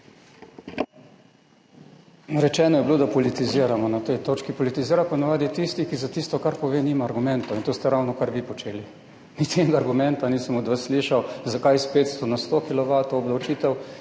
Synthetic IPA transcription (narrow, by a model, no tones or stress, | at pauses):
ɾɛt͡ʃɛːnɔjɛblod̪apɔlit̪iziːəɾamɔnat̪ɛjt̪oːt͡ʃkipɔlit̪iziːɾapɔnaʋaːd̪it̪ist̪ikizat̪iːst̪ɔkaɾpɔʋeːniːmaːɾɡumɛnt̪ɔint̪ost̪ɛɾawnɔkaɾʋipɔt͡ʃeːli | nit̪enɛɡaːɾɡumɛnt̪aniːsəmɔd̪ʋəsːliʃawzakajspeːt̪st̪onast̪okilɔʋat̪oːblɐwt͡ʃiːt̪ɛw